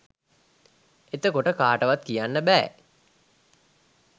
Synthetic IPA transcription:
et̪əkoʈəkaːʈəʋat̪kijanːəbɛː

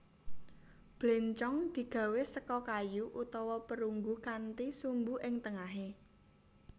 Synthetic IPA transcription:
b̥leɲt͡ʃɔŋd̪̥i̤ɡ̥ä̤wesəkɔkajuʔut̪ɔwɔpəɾuŋɡukant̪isumbuʔɪŋt̪əŋaɦe

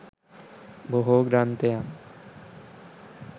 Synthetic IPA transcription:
boɦoɡɾant̪ejam

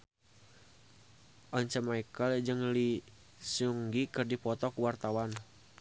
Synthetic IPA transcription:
ʔɔɲt͡ʃəmaikəld͡ʒɨŋli | suŋɡikərdipɔt̪ɔkuwart̪awan

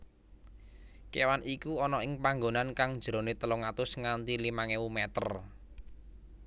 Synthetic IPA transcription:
kewanikuɔnɔɪŋpaŋɡonankaŋd̥d͡ʒ̥ɾo̤net̪əlʊŋat̪ʊsŋant̪ilimaŋewumɛt̪ər

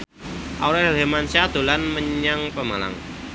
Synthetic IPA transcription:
ʔawɾɛdɦemansad̪̥o̤lanməɲaŋpəma̰la̰ŋ

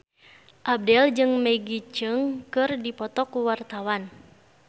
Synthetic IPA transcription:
ʔab̚dɛld͡ʒɨŋmɛɡit͡ʃɨŋkɨrdipɔt̪ɔkuwart̪awan

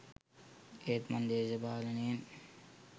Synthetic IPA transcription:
eːt̪mɐnd̪eːzɐbaːlɐneːn

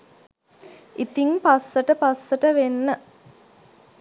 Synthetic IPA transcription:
it̪iŋpasːəʈəpasːəʈəʋenːə

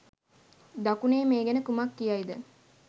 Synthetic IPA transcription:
d̪akuneːmeːɡenəkumakːijaid̪ə

